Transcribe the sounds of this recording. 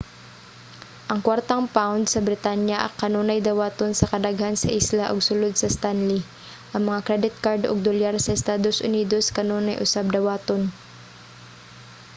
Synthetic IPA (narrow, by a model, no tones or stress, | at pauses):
ʔɐŋkwaɾt̪ɐŋpawnd̪sɐbɾɪt̪aːnjɐʔɐ̰kːɐnoːnɐjd̪ɐwaːt̪onsɐkɐd̪ɐɡhansɐʔislaʔɐɡsʊlod̪̚sɐst̪anli | ʔɐŋmɐŋakɾɛd̪ɪt̪̚kaɾd̪ʔoɡ̚d̪ʊljaɾsɐʔɛst̪aːd̪osʔʊniːd̪o̞skɐnoːnɐjʔʊsab̚d̪ɐwaːt̪on